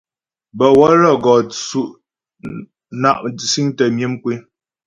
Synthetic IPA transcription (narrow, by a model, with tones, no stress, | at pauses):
bə˨wɔ˦ɾɔ˦˨ɡɔ˨t͡su˦ʔ | na˦ʔsi˦ŋtə˨mji˦mkwe˦